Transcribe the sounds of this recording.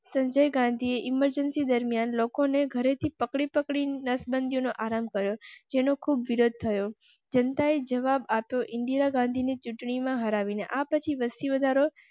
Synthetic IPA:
sə̃ɲd͡ʒəjɡãnd̪ʱieʔɪməɾd͡ʒənsid̪əɾmijanlokoneɡʱəɾet̪ʰipəkɽipəkɽinəsbənd̪ʱijonoʔaɾamkəɾjod͡ʒenokʰubʋiɾod̪̚t̪ʰəjo | d͡ʒənt̪aed͡ʒəʋabapjoʔɪ̃nɖ̪iɾaɡãnd̪ʱinit͡ʃʊʈɳimãɦəɾaʋineʔapət͡ʃʰiʋəst̪iʋəd̪ʱaɾo

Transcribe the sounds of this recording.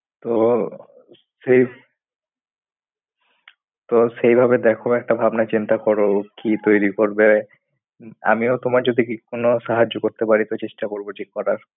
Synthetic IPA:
t̪o | ʃej | t̪oʃejbʱabed̪ɛkʰoɛk̚ʈabʱabnat͡ɕint̪akɔɾokit̪ojɾikoɾbe | a̰miot̪omaɾd͡ʑod̪ʱikikonoʃaɦad͡ʑːokoɾt̪epaɾit̪ot͡ɕeʃʈakoɾboʈʰikkɔɾaɾ

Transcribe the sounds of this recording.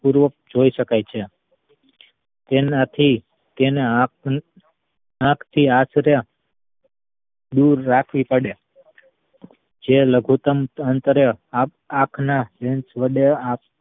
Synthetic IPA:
puɾʋək̚d͡ʒoiʃəkajt͡ʃʰe | t̪enat̪ʰi | t̪eneã | ãkʰt̪ʰiasɾja | d̪uɾːakʰʋipəɽja | d͡ʒeləɡʱut̪əmənt̪ɾə | akʰnaʋẽnsʋəɖea

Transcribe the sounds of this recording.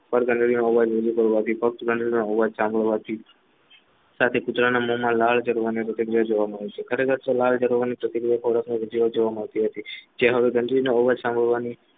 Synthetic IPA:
pəɾɡəɳɖɭinoɔʋad͡ʒɾəd͡ʒukəɾʋat̪ʰipək̚t̪ɡʱəɳɖɾinooʋad͡ʒsãmbʱəɭʋat̪ʰi | sat̪ʰekʊt̪ɾanamomãlaɭd͡ʒəɾoʋanipɾət̪iɡɾijad͡ʒoʋaməɭet͡ʃʰekʰəɾekʰəɾt̪olald͡ʒəɾoʋanipɾət̪iɡɾijapʰɔɾəknoɾəd͡ʒiʋad͡ʒoʋaməɭt̪iɦət̪id͡ʒeɦəʋeɡəɳɖ̪ɾineoʋad͡ʒsãmbəɭʋani

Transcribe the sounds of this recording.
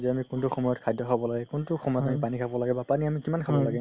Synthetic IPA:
zɛamikʊntuxɔmɔjɔtkʰajdʱɔkʰabɔlaɡɛkʊntʊxɔmɔjɔtamipanikʰabɔlaɡɛbapaniamikimankʰabɔlaɡɛ

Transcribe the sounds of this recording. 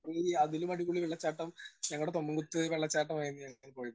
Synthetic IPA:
iɐðilumɐɽikːuɭiʋeɭːɐt͡ɕːaːʈːɐmɲɐŋːɐɭuɽet̪o̞mːuŋɡut̪ːɨʋeɭːɐt͡ɕːaːʈːɐmaːjunːuɲɐŋːnpoːju

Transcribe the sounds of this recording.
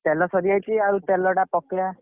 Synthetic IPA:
ʈelɔsɔɾiajt͡ʃʰiaɾuʈelɔɽapɔkja

